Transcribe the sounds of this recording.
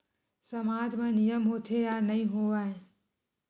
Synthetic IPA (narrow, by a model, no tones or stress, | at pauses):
səmaːd͡ʒmẽːnijəmɦoːt̪ʰejaːnɐĩɦoaːɦẽ